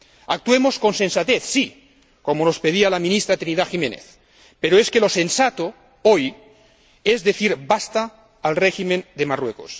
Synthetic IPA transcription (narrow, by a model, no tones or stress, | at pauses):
ak̚t̪uemosko̞nsensat̪eθsi | komonospeðialamĩnist̪ɾat̪ɾiniðaximẽnḛθ | peɾoeskelo̞sensat̪o | oj | ezðeθiɾbast̪aː | lreximend̪emarweko̰s